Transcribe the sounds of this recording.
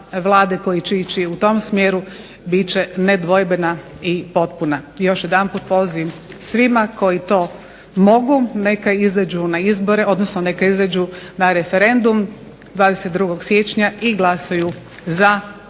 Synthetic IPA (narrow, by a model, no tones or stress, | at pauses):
ʋlˠaːd̪eko̞jit͡ʃit͡ʃiut̪o̞msmjeːɾu | bit͡ɕened̪ʋo̞jbenaipo̞t̪̚punajo̞ʃjed̪anpuːt̪̚po̞zimsʋimako̞jit̪o̞ː | mo̞ɡune̞kaizad͡ʑunaizbo̞ɾe̞o̞d̪nosnone̞kaizad͡ʒunaɾe̞fe̞ɾe̞nd̪um | d̪ʋaːd̪eset̪̚d̪ɾuːɡo̞ɡsje̞t͡ʃɲaiɡlˠasaju | za